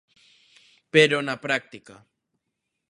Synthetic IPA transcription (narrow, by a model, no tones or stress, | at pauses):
peɾonapɾak̚t̪ɪka